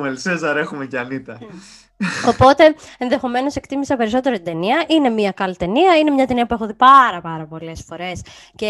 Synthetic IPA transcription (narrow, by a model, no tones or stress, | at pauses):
melsezɐɾe̞xumecɐnit̪ɐ | o̞po̞t̪e̞enðe̞xo̞me̞no̞se̞kt̪imisɐpe̞ɾiso̞t̪e̞ɾot̪id̪e̞niɐʔine̞miɐkɐlit̪e̞niɐine̞mɲɐt̪e̞niɐpue̞xoðipɐɾɐpɐɾɐpo̞le̞sfo̞ɾe̞sce